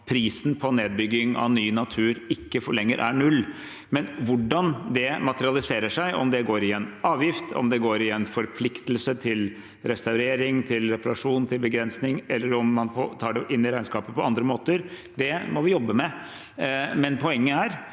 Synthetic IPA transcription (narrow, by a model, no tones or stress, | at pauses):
pʰɾiːsn̩pʰɔneːd̪̚bʏɡːɪŋɑ̰ʋnyːnɑt̪ʰʉːɾɪkːəfɔɭɛŋːə̰ɾʔæɳʉlː | mɛnʋʊɖɑnd̪ɛmɑt̪əɾɪɑlɪseːɾəʂæɪʔɔ̰md̪ɛɡoːɾɪɛnɑːʋjɪft̪ʰɔ̰md̪ɛɡoːɾɪɛnfɔɾpʰlɪkt̪əlsət̪ʰɪl | ɾɛst̪ɑʉɾeːɾɪŋt̪ʰɪlɾɛpɑɾɑʂuːnt̪ʰɪlbəɡɾɛnsnɪŋɛlːəɾɔmːɑnpʰɔt̪ʰɑːɖɛʔɪnːɪɾæɪnskɑːpəpʰɔɑnd̪ɾəmoːt̪əɾ | d̪ɛmɔʋɪjɔbːəmɛ | mɛnpʰɔɛŋːəæɾ